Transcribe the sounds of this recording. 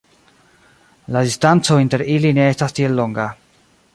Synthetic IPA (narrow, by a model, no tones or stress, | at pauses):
ladistant͡so̞inte̞ɾiline̞estastielːoŋɡa